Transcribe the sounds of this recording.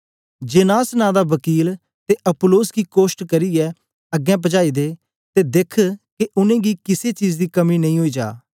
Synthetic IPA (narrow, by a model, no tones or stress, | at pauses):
d͡ʒeːnaːsnãːd̪aːʋɐkiːl | t̪eʔɐpʊloːsɡiːkoːsʈkɐɾiɛː | ɐɡɛ̃p̬ɐd͡ʒaːid̪eː | t̪eːd̪ekʰkeʔʊnẽːɡikɪset͡ʃiːzd̪iːkɐminɐ̃ɦĩɦoiːd͡ʒa̰ː